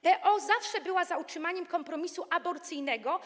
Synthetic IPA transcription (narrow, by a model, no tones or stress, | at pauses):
bɛʔɔzafʂɛbɘwazautʂɘmaɲɛmkɔmpɾɔmʲisuʔabɔɾt̪sɘjnɛɡɔ